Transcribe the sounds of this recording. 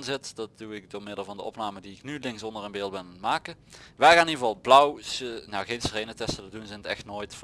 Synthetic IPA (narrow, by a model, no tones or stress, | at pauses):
nzɪtd̥ɑt̚d̥uɪk̚dʊːɹmɪdəlˠvɑndəɔ̰pnaːmədiɪknylɪŋsɔndərənbeːlˠt̚bɪnmaːkəʋɛjɣaːnivɑlˠblʌwsənawɣensrejnətɛstədədunzɛɪnətɛxtnoːjtf